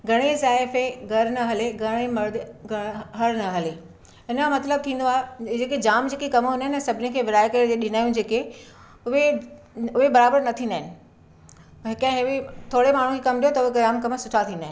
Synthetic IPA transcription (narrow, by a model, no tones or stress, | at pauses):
ɡʱɐɽ̃ezaːɪfeɡʱɐɾnɐɦɐleɡʱɐɽ̃emɐɾd̪ɡɐɦɐɾnɐɦɐle | ɪnmɐt̪ləb̚t̪ʰĩːn̆d̪oaːɦed͡ʑeːked͡ʑaːmd͡ʑeːkekɐmɦʊ̃ndaɦɪnsɐbʱɪnikʰeːʋɪɾaːekɐɾd͡ʑeːɗɪnaːjũd͡ʑeːke | ʊɦe | ʊɦebɐɾaːbəɾnɐt̪ʰĩːnd̪aːɦɪnɪ̆ | ɦɪkːɦɪet̪ʰoːɽemaːɳ̤ũkʰekɐmɗijot̪ɐʊɦekaːmkɐmsʊʈʰat̪ʰĩːnd̪aːɦɪnɪ